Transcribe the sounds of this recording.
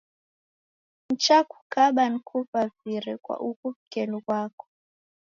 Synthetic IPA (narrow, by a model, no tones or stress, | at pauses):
n̩t͡ʃakʰu̥kaɓan̩kʰupaviɾɛkwa̰ʔukuvikɛlukwakɔ̥